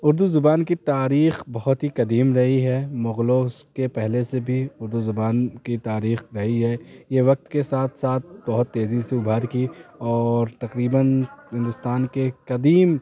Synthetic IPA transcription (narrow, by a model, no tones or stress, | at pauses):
ʊɾd̪uzʊbaːnkit̪aːɾiːxbɐɦʊt̪ɦikɐd̪iːmɾɐɦiɦɛmʊɣloskepɛɦlesebʱiʊɾd̪uzʊbaːnkit̪aːɾiːxɾɐɦiɦɛjeʋɐk̚t̪kesaːt̪ʰsaːt̪̚ʰbɐɦʊt̪ːeːziseʊbʱaɾkiɔːɾt̪ɐqɾiːbənɦɪ̃nd̪ʊst̪aːnkekɐd̪iːm